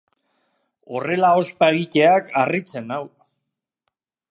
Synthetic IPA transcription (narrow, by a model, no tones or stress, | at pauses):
o̞re̞lao̞spaeɣice̞akarit͡se̞naw